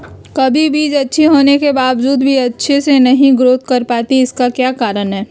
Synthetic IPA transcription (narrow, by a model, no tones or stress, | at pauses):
kɐbʱibʱiːd͡ʒɐtːʃʰiɦoːnekebaːʋd͡ʒuːd̪bʱiɐtːʃʰesenɐɦĩɡɾoːt̪kɐɾpaːt̪iɪskakjaːkaːɾənɦɛː